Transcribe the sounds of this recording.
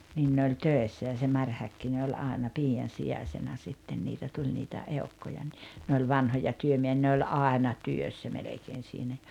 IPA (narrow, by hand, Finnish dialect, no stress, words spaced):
nin ne olʲ tøesːæ jɑ se mɑrʲ hækːine olʲ ɑˑenɑ piːɑn̞ siɑsenɑ sitːen niːtæ tulʲ nitæ eu̞kːojɑ ni ne olʲ ʋɑnhojɑ tyømieh̆ĭæ̆ ne olʲ ɑˑenɑ tyøsːæ melekeːn̞ siːnæ